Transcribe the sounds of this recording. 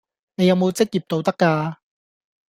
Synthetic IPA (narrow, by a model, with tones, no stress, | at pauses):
ne˨˧jɐ˨˧wmo˨˧wt͡sɪ˥k̚jiː˨p̚t̪o˧wt̪ɐ˥kːaː˧